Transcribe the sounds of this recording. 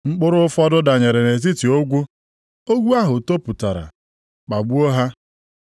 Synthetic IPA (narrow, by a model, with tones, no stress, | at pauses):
ŋ͡m̩˦k͡pʊ˦ɾʊ˦ʊ˦fɔ˦dʊ˦da˨ɲe˨ɾe˨ne˨t̬i˦ti˨o˦ɡʷu˦ | o˦ɡʷu˦a˦ɦʊ˨to˦pʊ˨ta˨ɾa̰˨ | k͡pa˨ɡ͡bu˦o˦ɦa˦